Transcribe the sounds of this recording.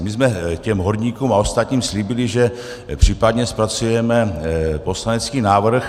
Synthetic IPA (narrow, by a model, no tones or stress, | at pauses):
mɪzmɛcɛmɦoɾɲiːkuːmao̞st̪at̪ɲiːmsliːbɪlɪʒɛ | pr̥iːpad̪ɲɛspɾat͡sujɛmɛpo̞slanɛt͡skiːnaːvr̩x